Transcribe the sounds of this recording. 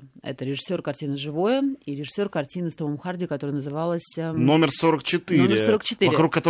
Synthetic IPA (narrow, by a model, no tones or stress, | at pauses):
ɛ̰t̪əɾʲɪʐɨsʲːo̞rkɐrtʲinəʐɨvo̞jəiɾʲɪʐɨ̥sʲːo̞rkɐrtʲinɨst̪oməmxardʲɪkɐt̪oɾəjənəzɨvɑlˠəsʲno̞mʲɪrso̞ɾək̚t͡ɕɪt̪iomʲɪrsoɾəkt͡ɕɪt̪ɨɾɐɪkɾukːɐt̪o